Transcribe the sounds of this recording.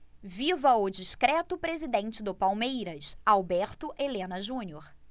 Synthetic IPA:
vivɐʊd͡ʒiʃkɾɛt̪ʊpɾezid̪ẽnt͡ʃɪd̪ʊpawmejɾɐsawbɛɾt̪ʊʔelẽnɐʒũnioɾ

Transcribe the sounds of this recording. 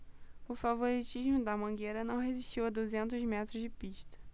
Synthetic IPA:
ʊfavoɾit͡ʃiʒmʊd̪ɐmɐ̃ɡeɾɐnɐ̃w̃ɦeziʃt͡ʃiwɐd̪uzẽnt̪ʊzmɛt̪ɾʊzd͡ʒɪpiʃt̪ɐ̥

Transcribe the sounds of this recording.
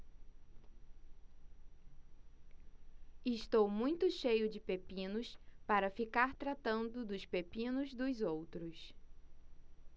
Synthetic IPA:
ɪʃt̪owmũj̃t̪ʊʃejʊd͡ʒɪpepĩnʊspaɾɐfikaɾt̪ɾat̪ɐ̃nd̪ʊd̪ʊspepĩnʊzd̪ʊzowt̪ɾʊs

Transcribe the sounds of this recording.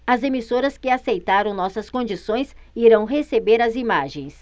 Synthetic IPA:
ɐzemisoɾɐskɪasejt̪aɾɐ̃w̃nɔsɐskõd͡ʒisõj̃siɾɐ̃w̃ɦesebeɾɐzimaʒẽj̃s

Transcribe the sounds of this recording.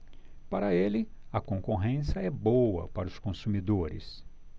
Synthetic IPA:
paɾɐelɪɐkõkoɦẽsjɐɛbowɐ̰paɾɐʊskõsumid̪oɾɪ̰s

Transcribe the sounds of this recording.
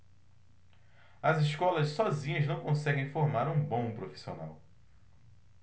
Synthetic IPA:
ɐziʃkɔlɐssɔzĩɲɐznɐ̃w̃kõsɛɡẽj̃foɾmaɾũbõpɾofi̥sio̰na̰w

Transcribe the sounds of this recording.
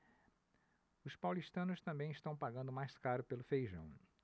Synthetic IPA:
ʊspawlist̪ɐ̃nʊst̪ɐ̃mbẽj̃ist̪ɐ̃w̃paɡɐ̃nd̪ʊmajskaɾʊpelʊfejʒɐ̰̃w̃

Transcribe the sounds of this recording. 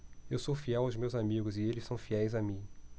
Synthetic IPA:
ewsowfiɛwawzmewzamiɡʊzɪelɪsɐ̃w̃fiɛjzamĩ

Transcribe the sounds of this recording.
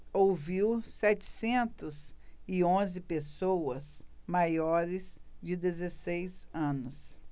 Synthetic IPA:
owviwsɛt͡ʃɪ̥sẽnt̪ʊzɪõzɪpesowɐsmajɔɾɪzd͡ʒɪd̪ezesejzɐ̃nʊs

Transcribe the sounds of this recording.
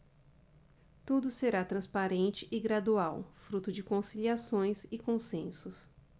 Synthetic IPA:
t̪ud̪ʊseɾat̪ɾɐ̃spaɾẽnt͡ʃɪʔɪɡɾad̪uawfɾut̪ʊd͡ʒɪkõsiliasõj̃sɪkõsẽsʊs

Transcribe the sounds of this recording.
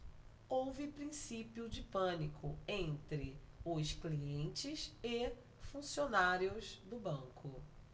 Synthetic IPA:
owvɪpɾĩsipiʊd͡ʒɪpɐ̃nikʰʊẽnt̪ɾɪ | ʊskliẽnt͡ʃɪsɪ | fũsionaɾjʊzd̪ʊbɐ̃ŋkʰʊ

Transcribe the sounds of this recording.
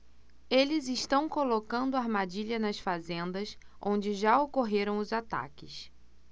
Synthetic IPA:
elɪzɪʃt̪ɐ̃w̃kolokɐ̃nd̪ʊaɾmad͡ʒiʎɐnɐsfazẽnd̪ɐsʔõnd͡ʒɪʒaokoɦeɾɐ̃w̃ʊzat̪a̰kɪs

